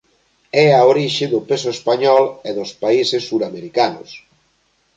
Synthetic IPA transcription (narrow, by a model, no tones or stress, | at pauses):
ɛaoɾiʃɪðʊpesoespaɲɔleðospaisesːuɾameɾikanʊ̰s